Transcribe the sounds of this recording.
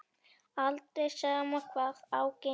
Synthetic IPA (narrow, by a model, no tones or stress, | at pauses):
alt̪eʃamoχpɑχawkɪ